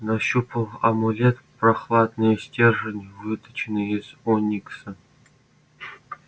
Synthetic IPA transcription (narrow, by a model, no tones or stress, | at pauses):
naɕupʰɤ̆lˠɐ̰mulʲet̪ | prɑχlˠɑd̪nɨjsʲtʲerʐɘ̆nʲvɨt̪ɨ̥̆t͡ɕnɨ̆esʲonʲiksʲɘ̆